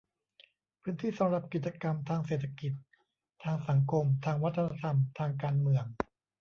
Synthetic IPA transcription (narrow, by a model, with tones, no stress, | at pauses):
pʰɯː˦˥nt̪ʰiː˥˩sa˩˦mɾa˨˩p̚ki˨˩t̪̚t͡ɕa˧ka˧mt̪ʰaː˧ŋseː˨˩t̪ʰːa˧ki˨˩t̪̚ʰː | aː˧ŋsa˩˦ŋkʰo˧mt̪ʰaː˧ŋwa˦˥t̪ʰːa˧na˧t̪ʰa˧mt̪ʰaː˧ŋkaː˧nmɯ˧əŋ